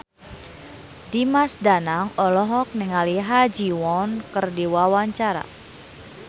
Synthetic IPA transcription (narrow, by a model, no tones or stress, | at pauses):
dimasdanaŋɔlɔɦɔk̚niŋaliɦad͡ʒiwɔnkərdiwawaɲt͡ʃaɾa̰